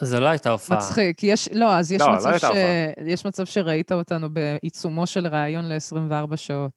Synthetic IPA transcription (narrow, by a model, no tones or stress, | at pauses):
zeloajt̪aofmat͡sχikːijɛʃlo̞azjɛʃmalaaejɛʃmat͡sav̥ʃe̞ʁaitaotanube̞ʔit͡sumoʃe̞lʁaːjo̞nle̞esʁimveaʁbaʃao̞t